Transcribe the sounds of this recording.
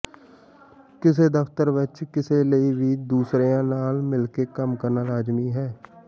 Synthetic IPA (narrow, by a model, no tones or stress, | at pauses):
kɪs̬ed̪əft̪əɾʋɪt͡ʃkɪseləibʱid̪uːsɾejãnaːlmɪlkekəmkəɾnaɾaːd͡ʒmiɦɛː